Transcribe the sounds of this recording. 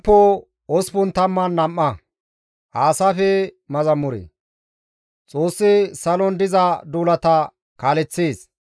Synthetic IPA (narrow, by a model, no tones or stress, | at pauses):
pːo | ɔspʊnt̪ɐmːɐnːɐmːɐ | haːsafɛmɐzɐmʊɾḛː | t͡sʼoːsːɪsɐlɔnd̪ɪzɐd̪uːlɐt̪ɐ | kaːlɛt͡sːeːs